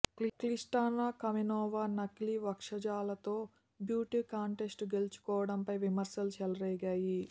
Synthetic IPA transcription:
klisʈaːnaːkɐminɔːʋaːnɐkliʋɐkʂɐd͡ʒaːlɐt̪o̞ː | bjuːʈikaːɳʈesʈɡelt͡ʃu̥kɔːʋɐɽɐmpɐjʋimɐɾsɐlut͡ʃɛlɐɾɛːjɡaːji

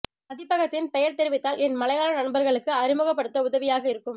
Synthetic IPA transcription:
mɐðɪpːɐɣɐt̪ːɪnpɛjɐɾt̪ɛɾɪʋɪt̪ːaːlɛnmɐlɐjaːlɐnɐɳbɐɾɣɐɭɯkːɯɐrɪmɯɣɐpːɐɽɯt̪ːɐʊðɐʋɪjaːɣɐɪɾɯkːɯm

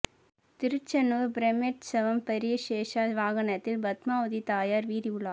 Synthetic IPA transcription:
t̪ɪɾɯt͡ʃːɐnʋɯɾbɾɐmeʈsɐʋɐmpɐɾɪjɐʃeːʂaːʋaːɣɐnɐt̪ːɪlbɐt̪maːʋɐðit̪aːjaːɾʋiːɾiʊɭːaː

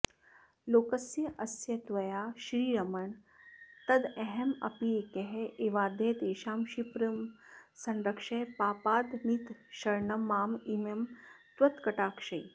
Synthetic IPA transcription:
loːkɐsjɐʔɐsjɐt̪ʋɐjaːʃɾiːɾɐmɐɳ | t̪ɐd̪eɦemɐ̰piekeɦeʔeːʋaːd̪ʱeːt̪eːʃaːmʃipɾɐmsɐ̃nɾɐkʂeːpaːpaːd̪nit̪ʃɐɾɳɐmaːmimɐmt̪ʋɐt̪kɐʈaːkʃɐj

